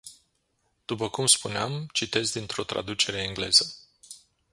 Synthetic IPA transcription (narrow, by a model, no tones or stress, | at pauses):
d̪̥upəkumspuneamt͡ʃit̪e̞zd̪int̪ɾo̞t̪ɾa̰d̪ut͡ʃe̞ɾe̞iŋɡle̞̰zə